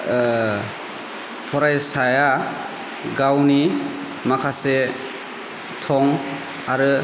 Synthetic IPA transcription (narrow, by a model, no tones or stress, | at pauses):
pʰɔɾajsaja | ɡawni | makʰase | tʰɔŋ | aɾɯ